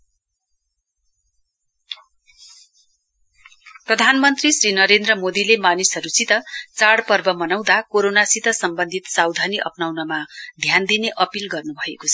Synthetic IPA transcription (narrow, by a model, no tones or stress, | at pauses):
prʌd̪ʱanmʌnt̪risrinʌɾend̪rʌmod̪ilemanisʌɾut͡sit̪ʌt͡saɽpʌrbʌmʌnaw̃d̪akoɾonasit̪ʌsʌmbʌnd̪ʱit̪sawd̪ʱaniʔʌ̰pnawnʌmad̪ʱjand̪ineʔʌpilɡʌrnubʱʌekot͡sʰʌ